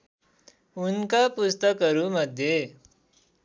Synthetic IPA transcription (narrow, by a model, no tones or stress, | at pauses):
unkapust̪əkːəɾuməd̪ʱje